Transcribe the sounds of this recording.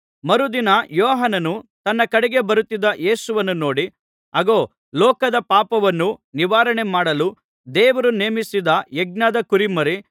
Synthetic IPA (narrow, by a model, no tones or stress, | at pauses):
mɐɾud̪inɐjɔːɦɐnɐnut̪ɐnːɐkɐɽɛɡe̞bɐɾut̪ːid̪ɐʔe̞ːsuʋɐnːuno̞ːɽi | ɐɡoː | lɔːkɐd̪ɐpaːpɐʋɐnːuniʋaːɾɐɳemaːɽɐlu | d̪eːʋɐɾuneːmisid̪ɐjeɡ̚nɐd̪ɐkuɾimɐɾi